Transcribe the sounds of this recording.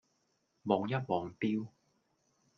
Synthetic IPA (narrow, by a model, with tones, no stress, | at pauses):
mɔː˨˧ŋjɐ˥t̚mɔː˨˧ŋt̪iː˥w